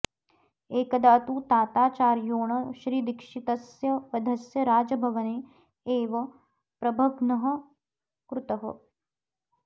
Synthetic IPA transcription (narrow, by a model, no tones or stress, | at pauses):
eːkɐd̪ɐɐt̪ut̪aːt̪aːt͡ʃaːɾjoːɳɐʃɾiːd̪ikʂit̪ɐsjɐʋɐd̪ʱɐsjɐɾaːd͡ʒɐbʱɐʋɐneː | eːʋɐ | pɾɐbʱɐɡnɐɦɐ̆ | kɾut̪ɐɦɐ̰